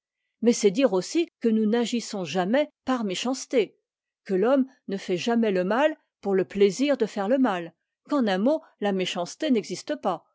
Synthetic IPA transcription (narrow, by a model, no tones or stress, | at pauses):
mɛsɛd̪iʁosikənunaʒisɔ̃ʒamɛpaʁmeʃɑ̃st̪e | kəlɔm | nəfɛʒamɛləmal | puʁləpleziʁd̪əfɛʁləmal | kɑ̃nɛ̃mo | lameʃɑ̃st̪enɛɡzist̪əpa